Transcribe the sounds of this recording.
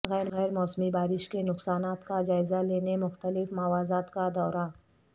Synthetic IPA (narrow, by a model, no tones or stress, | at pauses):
ɣɛːɾɣɛːɾmɔːsmibaːɾɪʃkenʊqsaːnaːt̪kad͡ʒaːɪzaleːnemʊxt̪əlɪfmaːʋaːzaːt̪kad̪ɔːɾa